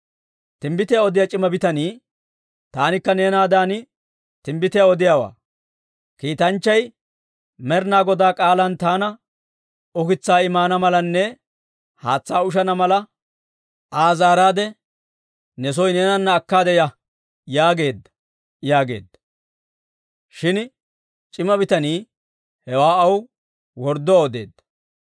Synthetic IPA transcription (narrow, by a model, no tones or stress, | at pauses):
t̪ɪmbɪt̪ɪjɐɔd̪ɪjɐt͡ʃʼɪmɐbɪt̪ɐniː | t̪aːnɪkːɐneːnaːd̪aːnɪ | t̪ɪmbɪt̪ɪjɐɔd̪ɪjaːwa̰ː | kiːt̪ɐnt͡ʃːɐj | mɛɾnaːɡɔd̪aːkʼaːlɐnt̪aːnɐ | ɔkɪt͡sːaːɪmaːnɐmɐlɐnːɛ | haːt͡sːaːʊʃ̬ɐnɐmɐlɐ | ʔaːzaːɾaːd̪ɛ | nɛs̬ɔjnɛnɐnːɐːkːaːd̪ɛjɐ | jaːɡe̞ːd̪ːɐ̥ | jaːɡe̞̰ːd̪ːɐ̥ | ʃɪn | t͡ʃʼɪmɐbɪt̪ɐniː | hɛwaːɐw | wɔɾd̪ɔoːd̪e̞̰ːd̪ːɐ